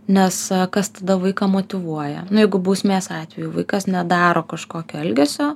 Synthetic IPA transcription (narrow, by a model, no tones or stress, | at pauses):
nʲɛskɐst̪ɐd̪ɐʋɐɪkɑmoːt̪ʲɪʋuɔjɛ̰nʊjɛɪɡʊbuːsʲmʲeːsɑːt̪ʲʋʲɛjuːʋɐɪkɐsnʲɛd̪ɑːɾoːkɐʃkoːkʲoːɛlʲɡʲɛsʲoː